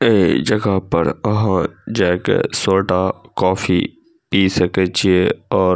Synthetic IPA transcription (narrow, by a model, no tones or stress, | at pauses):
eːd͡ʒɐɡapɐ̰ɾɐɦãːd͡ʒɛːkḛsoːʈakɔːfi | piːsɐkət͡ʃieɔːɾ